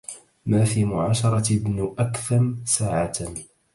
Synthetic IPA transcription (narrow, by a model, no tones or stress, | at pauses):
maːfiːmʊʕaːʃɑɾˤɑɪbnʔakθamsaːʕaːt̪